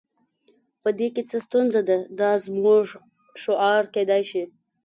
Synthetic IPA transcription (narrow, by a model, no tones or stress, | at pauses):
pəd̪eket͡səst̪unzad̪ad̪ɑzmuʐ | ʃʊɑɾked̪ɑjʃi